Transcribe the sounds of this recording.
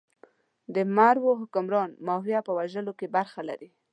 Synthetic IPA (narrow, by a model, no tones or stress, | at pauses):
d̪əmaɾwoɦʊkʊmɾɑnmɑfjapəwaʒəlokebaɾxala̰ɾi